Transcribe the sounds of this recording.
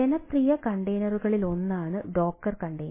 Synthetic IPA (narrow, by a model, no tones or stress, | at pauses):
enɐprijɐkɐɳɖejnɐruɣɐɭilo̞nːaːɳɨɖo̞ːk̚ʈɐrkɐɳɖejn